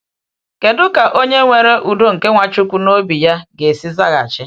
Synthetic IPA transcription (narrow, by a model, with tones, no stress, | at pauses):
ke˨dʊ˦ka˨ʔo˦ɲe˦ŋʷe˨ɾe˦ʔu˨do˦ŋ̩˨ke˦ŋʷa˨t͡ʃʊ˦kʷu˦no˦bi˨ja˦ɡe˨si˦za˦ɣa̰˨t͡ʃɪ˦